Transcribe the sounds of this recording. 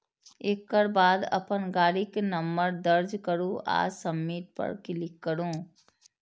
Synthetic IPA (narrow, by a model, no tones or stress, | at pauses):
eːkːəɾbaːd̪ɐ̰pənɡaːɾikenəmbəɾd̪əɾd͡ʒkəɾũa̰ːd͡ʒsəmːiːt̪̚pə̰ɾkɪlɪkːəɾũː